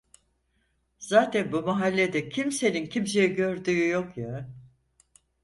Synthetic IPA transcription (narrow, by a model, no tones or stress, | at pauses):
z̥aːt̪ʰænbumaɦalʲːed̪ɛcʰimse̞nincʰims̬ejɛɟø̞ɾd̪yːyjokja